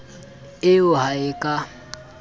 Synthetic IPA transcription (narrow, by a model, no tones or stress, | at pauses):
ɪʊɦaɪkʼa